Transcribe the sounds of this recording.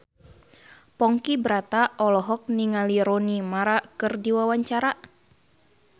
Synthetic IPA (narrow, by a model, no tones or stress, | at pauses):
pɔŋkibɾat̪aʔɔlɔɦɔk̚niŋaliɾonimaɾakɨrdiwawaɲt͡ʃaɾa